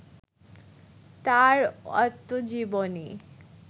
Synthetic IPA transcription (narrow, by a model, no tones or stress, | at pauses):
t̪aɾɔ̰t̪ːod͡ʑiboni